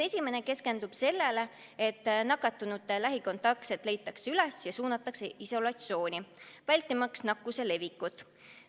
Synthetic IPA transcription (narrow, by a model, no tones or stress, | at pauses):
e̞sʲime̞ne̞ke̞ske̞nd̪̥ub̥se̞lːe̞le | e̞t̪ːˑnɑkːˑɑt̪ːˑunut̪ːelæɦiko̞nt̪ɑk̪set̪ːˑle̞jt̪ːˑɑksylesjɑsuːnɑt̪ːˑɑkseiso̞lɑt̪sio̞ːnʲivælʲt̪ːˑimɑksnɑkːuse̞le̞vikːut̪ˑ